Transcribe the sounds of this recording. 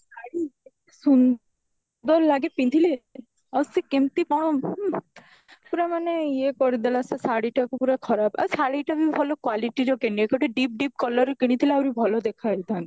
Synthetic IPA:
saɽie | sun | d̪ɔɾlaɡepint̪ile | awsikemt̪ipɔ̃ɔ | puɾamaneiekɔɾid̪elasesaɽiʈakupuɾakʰɔɾapa̰saɽiʈabʱibʱɔlɔkwaliʈiɾɔkeniekɔʈeɖip̚ɖip̚kɔlɔɾekiɽ̃it̪ʰileawɾibʱɔlɔd̪ekʰait̪ãi

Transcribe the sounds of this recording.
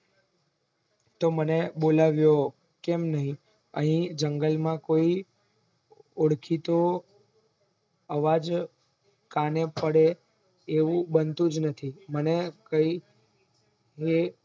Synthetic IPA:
t̪omənebolaʋjo | kemnəɦĩ | ə̰ɦĩd͡ʒəŋɡəlmãkoi | oɽkʰit̪o | əʋad͡ʒ | kanepəɽeː | ʋũbənt̪ũd͡ʒnət̪ʰimənekəi | ɦe

